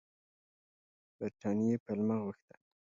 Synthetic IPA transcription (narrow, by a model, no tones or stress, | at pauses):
b̥aɾʈɑnijepalmaɣuxt̪ḁ